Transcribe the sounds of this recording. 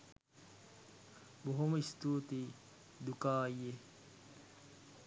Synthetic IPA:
boɦomɐist̪uːt̪i | d̪ukaːje

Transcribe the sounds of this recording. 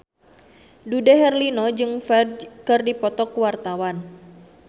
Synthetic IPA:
dudɛɦɛrlinɔd͡ʒɨŋfɛdkɨrdipɔt̪ɔkuwart̪awan

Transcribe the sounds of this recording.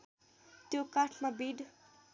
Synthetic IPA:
t̪jokaʈʰmabiɖ

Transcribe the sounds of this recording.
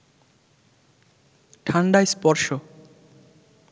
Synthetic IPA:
ʈʰaɳɖajspɔɾʃo

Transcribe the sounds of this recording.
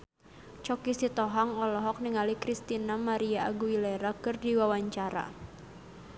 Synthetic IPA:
t͡ʃɔkisit̪ɔɦaŋɔlɔɦɔk̚niŋalikɾist̪inamaɾiaːɡuileɾakɨrdiwawaɲt͡ʃaɾa̰

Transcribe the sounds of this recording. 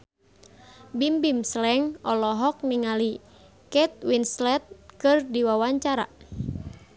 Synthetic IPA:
bimbimslɛŋɔlɔɦɔk̚niŋali | kɛt̪̚winslɛt̪̚kɨrdiwawaɲt͡ʃaɾa̰

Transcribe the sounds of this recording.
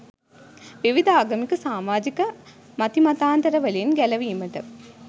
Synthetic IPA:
ʋiʋid̪ʱaːɡɐmikːɯsaːmaːd͡ʒikːɐ | mɐt̪imɐt̪aːnt̪ɐɾɐʋɐlijɪnɡɛlɐʋiːmɐʈɐm

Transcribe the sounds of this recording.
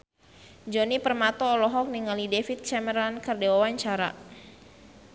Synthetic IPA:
d͡ʒɔnipərmat̪ɔːlɔɦɔk̚niŋalidefit̪̚t͡ʃɛməɾankərdewawaɲt͡ʃaɾa̰

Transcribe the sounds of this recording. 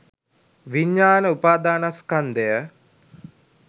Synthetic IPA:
ʋiɲːaːnəupaːd̪aːnaskand̪ejə

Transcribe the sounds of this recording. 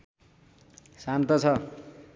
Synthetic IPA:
sant̪ʌt͡sʰʌ

